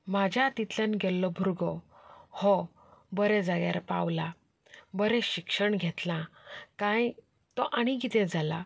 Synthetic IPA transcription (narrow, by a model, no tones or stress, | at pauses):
mad͡ʑʱjat̪it̪ljãnɡʱɛlːɔbʱuɾɡɔhɔ | bəɾɛd͡zaɡja̰ɾpa̰wla | bəɾɛɕikʂəɳɡʱɛt̪lãkãj | t̪ɔʔaɽ̃iɡit̪ɛ̃d͡zʱala̰